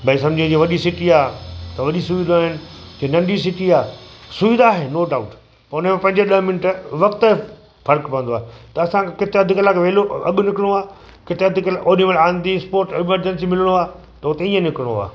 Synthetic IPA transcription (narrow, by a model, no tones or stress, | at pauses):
bʱɐĩs̬ɐ̃md͡ʑĩd͡ʑĩʋɐɗisɪʈiaːt̪ɐʋɐɗisʊʋid̪aaːɦɪnɪ̆d͡ʑiːnɐ̃ɳɖisɪʈiaːsʊʋid̪aːɦenoːɖaːʊʈ | pɐʊnəmẽpɐ̃ɦɪ̃ɲd͡ʑeɗɐɦmɪnəʈʋɐkt̪ | fɐɾkpɐə̃nd̪aːɦet̪ɐːsãkekɪt̪eɐd̪ʱɪkɐlakeʋeːloɐ̰ɠʊnɪkɪɽ̃oaː | kɪt̪eɐd̪ʱɪkɐlaʔoːniməlãːnd̪ispoːɾʈɪməɾd͡ʑənsimɪləɽ̃oaː | t̪ɐʊt̪eĩːə̃nɪkɪɽ̃oa̰ː